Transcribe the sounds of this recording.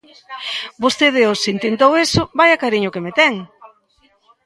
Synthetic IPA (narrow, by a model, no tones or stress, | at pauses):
bost̪eðeosint̪ent̪owesʊbajakaɾiɲʊkemet̪ɛŋ